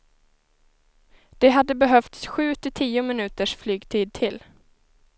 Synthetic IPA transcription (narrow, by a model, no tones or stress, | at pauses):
d̪̥ɛɦad̪ːəbɛɦœft̪sɧʉ̟ːt̪ʰɪt̪ʰiːʊmɪnʉ̟ːt̪əʂflyːɡt̪ʰiːd̪̚t̪ʰɪl